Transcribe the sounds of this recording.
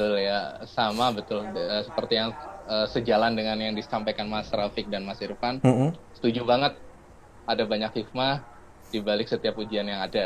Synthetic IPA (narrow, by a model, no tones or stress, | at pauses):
bət̪ʊljasamabət̪ʊləsəpərt̪ijaŋəsəd͡ʒalandəŋanjaŋdisampajkanmasɾafɪk̚danmasiɾəfan̩sə̥t̪ud͡ʒubaŋət̪̚ | adabaɲakhik̚ma | d̥ibalɪksət̪iapud͡ʒianjaŋada